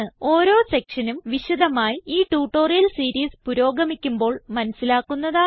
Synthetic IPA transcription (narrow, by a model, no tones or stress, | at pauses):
ɨo̞ːɾo̞ːsekʂɐnumʋiɕud̪ɐmaːjiiːʈuːʈːo̞ːrijɐlsiːɾiːspuɾo̞ːɡɐmikʲːumbo̞ːɭmɐnɐsːilaːkːunːɐðaː